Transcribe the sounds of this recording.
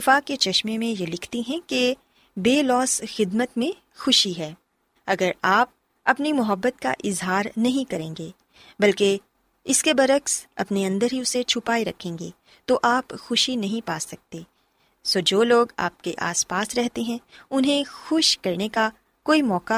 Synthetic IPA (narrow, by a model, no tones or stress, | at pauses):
ɪfaːket͡ʃɐʃmemẽjelɪkʰt̪iɦɛ̃ke | beːlɔːsxɪd̪mət̪mẽ | xʊʃiɦɛː | ɐɡəɾaːp̚ | ɐpnimʊɦəbːət̪̚ka̰ʔɪzɦaːɾnɐɦĩkɐɾẽːŋɡeː | bɐlke | ɪskebɐɾəksɐ̰pneɐ̃nd̪əɾɦiʊset͡ʃʰʊpaːeɾɐkʰẽːŋɡeː | t̪oʔaːpxʊʃinɐɦĩpaːsɐk̚t̪eː | soːd͡ʒoːloːɡa̰ːp̚keʔa̰ːspaːsɾɛɦt̪eɦɛ̃ʊnɦẽxʊʃkɐɾneka | koːimɔːka